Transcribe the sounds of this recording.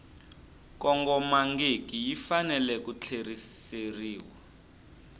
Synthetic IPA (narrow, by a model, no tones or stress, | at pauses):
kɔŋɡɔmaŋɡekijifanɛlɛk̬ut͡ɬʰerieriːwa